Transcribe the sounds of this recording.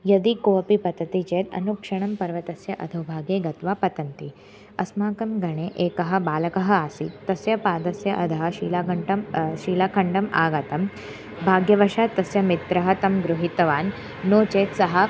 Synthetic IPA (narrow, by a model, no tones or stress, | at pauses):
jɐd̪ikoːɐpipɐt̪ɐt̪it͡ʃeːt̪ɐ̰nukʂɐɳ̃ɐmpɐɾʋɐt̪ɐsjɐʔɐ̰d̪ʱɐwbʱaːɡeːɡɐt̪ʋaːpɐt̪ɐnt̪i | ɐsmaːkɐmɡɐɳeːʔeːkɐɦɐ̆baːlɐkɐɦɐaːsit̪ːɐsjɐpaːd̪ɐsjɐʔɐd̪ʱɐɦɐʃiːlakɐɳʈɐmʃiːlaːkʰɐɳɖɐma̰ːɡɐt̪ɐm | bʱaːɡjɐʋɐʃaːt̪ːɐsjɐmit̪ɾɐɦɐt̪ɐmɡɾuɦit̪ɐʋaːnː | oːt͡ʃeːt̪sɐɦɐ